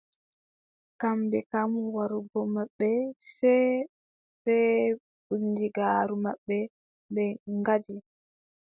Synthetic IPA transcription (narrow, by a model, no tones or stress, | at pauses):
kambɛkamuwaɾuɡɔmaɓːɛsɛ | bɛ | bundiɡaːɾumaɓːɛ | bɛŋɡad͡ʒi